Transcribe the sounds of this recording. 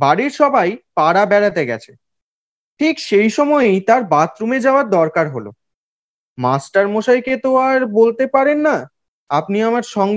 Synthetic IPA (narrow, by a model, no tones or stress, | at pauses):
baɽiɾʃɔbajpaɽabɛɽat̪eɡɛ̰t͡ɕʰe | ʈʰikʃejʃɔmɔejt̪aɾbat̪ɾumed͡ʑaoaɾd̪ɔɾkaɾɦolo̰ | masʈaɾmoʃajket̪oaɾbolt̪epaɾenːa | apniamaɾʃɔŋ